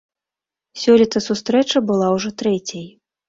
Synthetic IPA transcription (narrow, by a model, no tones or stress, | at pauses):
sʲɔlʲit̪ɐsust̪ɾɛt͡ʂɐbɨlˠawʐɔt̪ɾɛt͡sʲɐj